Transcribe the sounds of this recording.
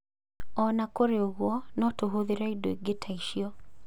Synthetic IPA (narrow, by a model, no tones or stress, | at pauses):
ɔnakoɾeoɣwɔnɔtoɦoðeɾaidoiɡetʰaiʃiɔ